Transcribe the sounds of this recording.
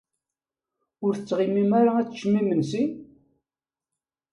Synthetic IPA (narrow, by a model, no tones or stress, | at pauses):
ʊɾθət͡sːʁimimaɾaæt͡sːʃːmimənsi